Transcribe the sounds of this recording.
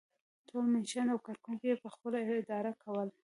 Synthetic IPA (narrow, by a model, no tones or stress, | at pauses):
t̪ʰolmanʃanawkaɾkuŋkjepəxpəlaɪɪd̪ɑɾakʰawəl